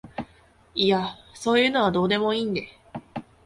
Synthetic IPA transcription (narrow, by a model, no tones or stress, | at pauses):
iaso̞ːjɯ̟ːno̞β̞ad̪o̞ːd̪e̞mo̞iːnd̪e̞